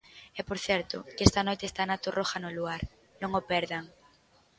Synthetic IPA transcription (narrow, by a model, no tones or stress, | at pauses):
ɛpoɾθjɛɾt̪o̰keest̪anojt̪est̪anat̪orʔoxanoluaɾ | nõŋopɛɾðaŋ